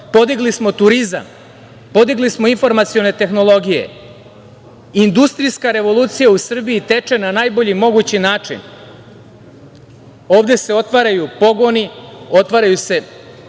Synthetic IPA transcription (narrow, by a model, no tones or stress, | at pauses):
po̞d̪iɡlismo̞t̪uɾiza̰m | po̞d̪iɡlismo̞info̞ɾmat̪sio̞ne̞t̪e̞xno̞lˠo̞ɡije̞̰ | ind̪ust̪ɾijskaɾe̞ʋo̞luːt̪sijausr̩biit̪e̞t͡ʂe̞nanaːjbo̞ʎimo̞ɡut͡ɕinaːt͡ʂḭn | o̞ːʋd̪e̞se̞o̞t̪ʋaɾajupo̞ɡo̞nio̞t̪ʋaɾajuse̞